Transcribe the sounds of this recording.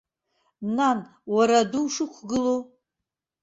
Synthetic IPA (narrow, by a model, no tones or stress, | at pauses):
nan | waɾaduwʂɨkʷʰɡɨlo